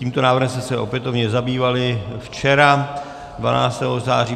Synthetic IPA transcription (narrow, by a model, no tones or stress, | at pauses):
ciːmt̪o̞naːvr̩ɦɛmsmɛsɛʔo̞pjɛt̪o̞vɲɛzabiːvalɪft͡ʃɛɾa | dva̰na̰ːt͡st̪ɛɦoza̰ːriː